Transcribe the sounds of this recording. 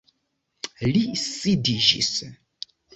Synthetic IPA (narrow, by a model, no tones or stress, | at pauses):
lisidiʒḭs